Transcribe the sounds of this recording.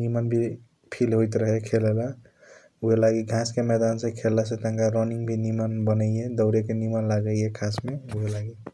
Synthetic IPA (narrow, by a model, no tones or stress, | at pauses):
nimanbʱi | pʰilɦojt̪ɾʌɦekʰelela | uɦelaɡiɡʱãskemed̪ansẽkʰelːas̬ẽt̪aŋkaɾɔniŋbʱinimanbʌnəjed̪ʌwɾekenimanlaɡəjekʰasmeuɦelaɡi